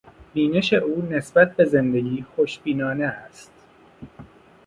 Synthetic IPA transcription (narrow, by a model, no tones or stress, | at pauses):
b̥iːne̞ʃe̞ʔuːne̞sbæt̪̚be̞ze̞nd̪e̞ɟiːxoʃbiːnɒːneæst̪